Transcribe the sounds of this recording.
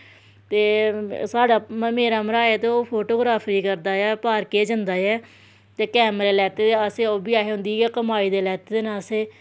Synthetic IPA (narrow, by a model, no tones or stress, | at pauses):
t̪eːsaːɖaːmeːɾaːməɾaːeːt̪eoːpʰoːʈoːɡɾaːpʰɾiːkəɾd̪aːɛːpaːɾkeːd͡ʒənd̪aːjɛː | t̪eːkɛːmɾeːlɛːt̪eːd̪easeːoːbiːaːɦeːɦʊ̃nd̪iːɛːkəmaːiːd̪eːlɛːt̪eːd̪eːnaːseː